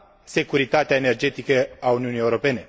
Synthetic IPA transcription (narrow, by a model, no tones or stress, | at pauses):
se̞kuɾit̪at̪eaene̞rd͡ʒe̞t̪ikəauniunije̞uɾo̞pe̞ne̞